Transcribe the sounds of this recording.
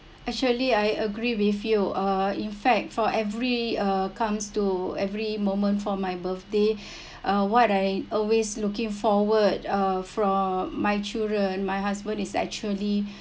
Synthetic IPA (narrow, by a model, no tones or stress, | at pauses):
ɛk̚t͡ʃuəliajəɡɹiwifjuʌĩnfɛk̚tfɔʔɛvɹiʌkãmstuɛvɹimõmə̃ntfɔmajbəθde | ʔʌwɔtãj̃mɔlweslukĩŋfɔwədʌfɹɔ̃majt͡ʃildɹə̃nmajɦasbə̃ndisɛ̰k̚t͡ʃuəli